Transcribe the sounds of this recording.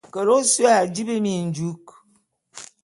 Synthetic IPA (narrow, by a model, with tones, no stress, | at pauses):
kə˨ɾo˦sa˦˨d͡ʒi˦be˦mi˨n̩˨d͡ʒu˦k